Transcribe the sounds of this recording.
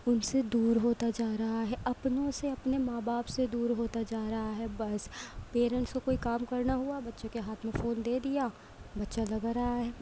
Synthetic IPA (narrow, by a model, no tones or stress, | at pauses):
ʊnsed̪uːɾɦoːt̪ad͡ʒaːɾɐɦaɦɛʔɐpnõseɐpnemaːbaːpsed̪uːɾɦoːt̪ad͡ʒaːɾɐɦaɦɛːbɐspeːɾɛ̃ɳʈskokoːikaːmkɐɾnaɦuabɐtːʃõkeɦaːt̪ʰmẽfoːnd̪eːd̪ijaː | bɐtːʃalɐɡɾaɦaɦɛː